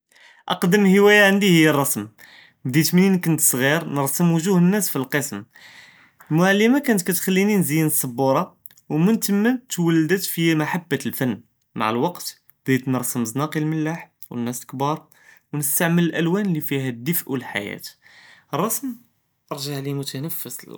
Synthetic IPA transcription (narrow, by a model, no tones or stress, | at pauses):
ʔɑqd̪əmhəwæjaʕand̪ihəjːərˤːɑsm | bd̪it̪mninkʊnət̪sˤɣiɾnəɾˤsəmwəʒuhənːæsfilqəsm | lmʊʕalːimakænət̪kæt̪xælːininzijənəsˤːəbːuɾˤɑ | wmənt̪əmːənt̪wəlːd̪ət̪fimaħabːalfænː | ma̰ʕəlwɑqt̪ | bd̪it̪nəɾˤsəmznɑqilməlːaħ | wə̰nːæsəlkbɑɾˤ | wnəst̪aʕmələlʔælwænlifiɦæd̪ːəfʔwəlħa̰jæ̰t̪ərˤːɑsm | ʔɑɾˤʒaʕlimʊt̪ʰænəfːəs